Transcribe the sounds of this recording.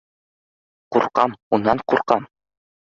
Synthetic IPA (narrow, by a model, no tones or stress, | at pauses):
quɾqɑmunːɑɴquɾqɑm